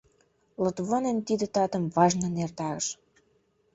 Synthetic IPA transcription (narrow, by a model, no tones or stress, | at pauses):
lɤt̪βonent̪id̪ĕt̪ɑt̪ə̆mvɑʒnɤ̆nert̪ɑɣəʃ